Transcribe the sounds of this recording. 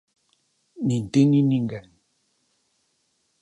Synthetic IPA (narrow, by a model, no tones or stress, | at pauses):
nin̩teniniŋɡɛn